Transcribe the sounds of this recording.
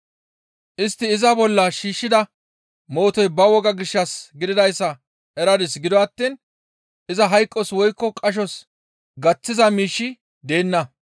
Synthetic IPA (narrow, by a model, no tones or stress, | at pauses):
ʔɪst̪ːɪːzɐbɔlːɐʃiːʃːɪd̪ɐ | mo̞ːt̪ɔjbɐwɔɡɐɡɪʃːɐsɡɪd̪ɪd̪ɐjsːɐ | ɛɾɐd̪ɪsɡɪd̪ɔɐt̪ːiːn | ʔɪzɐɦɐjkʼːɔswɔjkːɔkʼɐʃ̬ɔs | ɡɐt͡sːɪzɐmiːʃːɪ | d̪e̞ːnːɐ